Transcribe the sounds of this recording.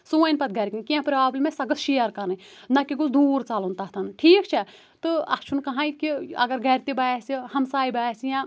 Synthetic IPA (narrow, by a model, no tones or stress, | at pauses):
suːɐjnpɐt̪̚ɡɐɾkĩnkiãpɾʲaːblʲmẽsɐɡɐsʰʃijɐɾkɐnɨ | nɐkiɡusd̪uːɾt͡saːlunt̪aɦt̪ʰɐnʈʰiːkt͡ʃʰɛ | t̪ɨɐ̰st͡ʃʰunkɐɦãːikiɐ̰ɡɐɾɡɐɾt̪ibaːjsihɐmsaːibaːsijãː